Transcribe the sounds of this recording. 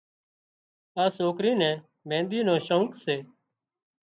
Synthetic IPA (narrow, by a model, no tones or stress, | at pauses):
aːsoːkɾiːnɛ̃ː | mɛ̃ːnd̪iːnõːʃəŋkseː